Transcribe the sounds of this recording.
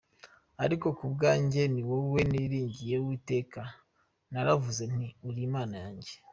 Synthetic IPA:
aɾiko̞kubɡaːɲɟe̞niwewe̞niːɾiːɲɟije̞wiːte̞ːka | naɾavuze̞n̥iuɾiːmaːnajaːɲɟe

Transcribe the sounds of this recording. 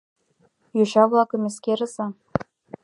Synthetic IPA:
joɕɑvlˠɑkɤ̆mʲeskeɾɤ̆zɑ

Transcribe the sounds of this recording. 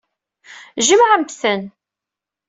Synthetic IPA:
ʒəmʕəmbθən

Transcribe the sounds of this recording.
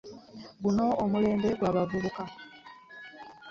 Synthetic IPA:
ɡuno̞ːmule̞ːmbe̞ɡwaːβavuβuka

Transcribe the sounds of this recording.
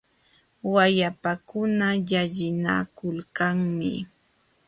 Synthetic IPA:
wajapakʊnajaʎɪna̰kʊlkaŋmɪ̰

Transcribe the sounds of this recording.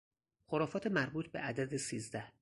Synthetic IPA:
xoɾɒːfɒːt̪ʰemæɾbuːt̪ʰbe̞ʔæd̪æd̪esiːzd̪æh

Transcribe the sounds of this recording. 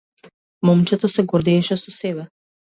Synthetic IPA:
mɔmt͡ʃɛt̪ɔsɛɡɔɾd̪ɛːʃɛsɔsɛbɛ

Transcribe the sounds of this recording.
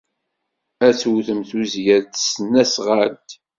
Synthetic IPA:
æt͡swθəmθuzjæðt̪sənːæsʁalt̪

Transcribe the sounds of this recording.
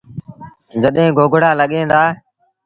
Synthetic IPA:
d͡ʒəɗɦẽːɡoːɡʱɽaːləɠẽːd̪aː

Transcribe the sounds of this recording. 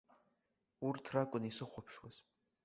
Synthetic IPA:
urtʰrakʷʼʊnisɨχʷɔpʰʃwaz̥

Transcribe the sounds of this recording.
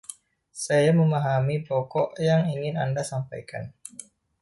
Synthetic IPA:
sajaməmaɦamipɔkɔʔjaŋiŋɪnandasampajka̰n

